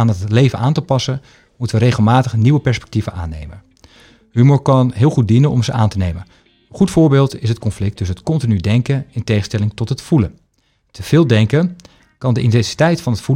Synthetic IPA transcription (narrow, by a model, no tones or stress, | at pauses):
nətətlejvənʔaːntəpɑsən | mutəʋəɾejχəlˠmaːtəχniʋəpɛɹspɛ̥k̚tivənʔa̰ːnḛjmən | hymoːɹkɑnɦɪːlˠχut̚dinənɔ̰mzəʔaːntənejmən | ənχutfʊːɹbeːlˠtɪsɦət̚kɔnflɪk̚tɵsətkɔntinydɛŋkənɪntejχəstɛlɪŋtɔtɦətfulən | təv̥ɪːlˠdɛŋkən | kɑndəʔintɛnsi̥tɛjtfɑnɦətfu